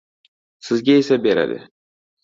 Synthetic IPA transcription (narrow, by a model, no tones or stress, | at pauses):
sɪzɡʲaesabeɾa̰d̪ɪ̰